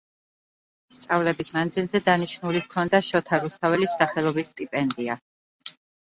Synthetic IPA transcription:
st̪sʼavlɛbismand̪zilˠzɛd̪aniʃnulikʰɔnd̪aʃɔt̪ʰaɾust̪ʰavɛlisaχɛlˠɔbist̪ʼipʼɛnd̪ia

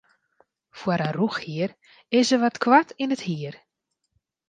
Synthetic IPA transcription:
fwəɾaruxhiər | ɪsəʋɔtkwatinəthiər

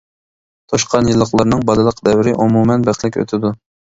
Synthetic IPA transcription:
t̪ʰoʃqʰɑnjɨlˠːəχlˠɑɾnɨŋbɑlɨlˠəqd̪ɛwɪɾɪʔumumɛnbæχlɪkʲø̰t̪ʰɪd̪u

